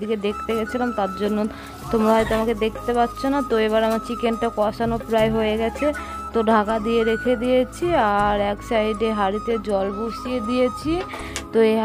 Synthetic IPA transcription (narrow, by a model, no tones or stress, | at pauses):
d̪iked̪ek̚ʰt̪eɡɛt͡ɕʰilamt̪aɾd͡ʑonːo | t̪omɾaɦaɾit̪eamaked̪ekʰt̪epatːɕʰonat̪oeβaɾeamat͡ɕikeɳʈakɔʃanopɾaeɦoeɡɛt͡ɕʰe | t̪oɖʱakad̪ijeɾekʰed̪ijet͡ɕʰiaɾɛksajɖeɦaɾit̪ed͡ʑɔlbuʃijed̪ijet͡ɕʰi | t̪oe